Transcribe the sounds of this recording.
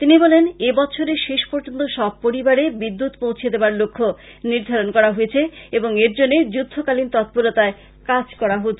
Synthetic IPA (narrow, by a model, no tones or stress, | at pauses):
t̪inibɔlenebɔt͡ɕʰoɾeʃeʃpoɾd͡ʑont̪oʃɔb̚poɾibaɾebid̪ːut̪powt͡ɕʰijed̪eoaɾlokʰːo | niɾd̪ʱaɾonkɔɾaɦojet͡ɕʰeeboŋeɾd͡ʑonːed͡ʑud̪ʱːokalint̪ɔt̪̚poɾot̪ae | kad͡ʑkɔɾaɦotːt͡ɕʰe